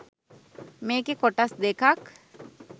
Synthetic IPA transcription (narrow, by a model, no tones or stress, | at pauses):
meːkekoʈɐsd̪eːkʰak